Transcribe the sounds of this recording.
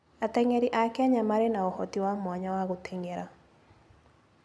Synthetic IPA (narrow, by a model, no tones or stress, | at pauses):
at̪ɛŋɛɾɪʔakɛɲamaɾenaɔhɔt̪iwamwaɲawaɣot̪ʰeŋeɾa